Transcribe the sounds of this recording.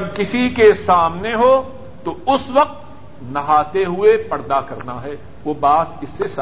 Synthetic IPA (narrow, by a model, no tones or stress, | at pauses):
ɐbkɪsikesaːmneɦo | t̪oʊsʋɐq̚t̪ | nɐɦaːt̪eɦʊepɐɽd̪akɐɾnaɦɛː | ʋoːbaːt̪̚ɪsːes